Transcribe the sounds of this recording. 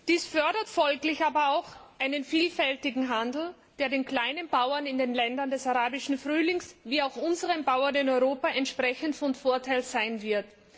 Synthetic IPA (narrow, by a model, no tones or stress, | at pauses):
d̥iːsfœɐdɐtfɔlklɪçaːbɐaʊxʔaɪnənfiːlfɛltɪɡŋ̩ɦandl̩ | d̥eːɐdeːnkl̥aɪnənbaʊɐnɪndeːnlɛndɐndɛsaʁaːbɪʃn̩fʁyːlɪŋsviːaʊxʔʊnzəʁənbaʊɐnɪnɔʏʁoːpaʔɛntʃpʁ̥ɛçn̩tfɔnfoːɐtʰaɪlz̥aɪnvɪɐt